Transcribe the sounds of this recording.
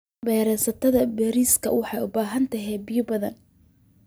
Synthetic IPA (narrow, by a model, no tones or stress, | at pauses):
bɛːɾɛsɐt̪ʰɐðɐbɛːɾiːskʰɐ̰wɑħɑjʊbaːɦɐnt̪ʰɐɦɛːbɪjʊbɐðɐ̰n